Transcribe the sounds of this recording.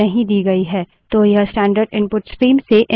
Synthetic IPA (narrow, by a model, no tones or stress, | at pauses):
ɐɦĩd̪iːɡɐiɦɛː | t̪oːjɐɦsʈɛ̃ːɳɖəɾɖɪ̃npʊʈspɾiːmseʔɪ̃